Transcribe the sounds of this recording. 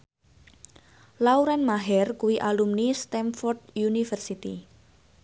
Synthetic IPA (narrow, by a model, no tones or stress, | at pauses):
lauɾɛnmaɦɛrkuwiʔalumnist̪ɛmfɔrd̪junifərsit̪i